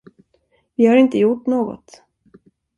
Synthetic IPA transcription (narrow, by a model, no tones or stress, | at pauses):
vɪhaɾɪnt̪əjʊʈːnoːɡɔ̰t̪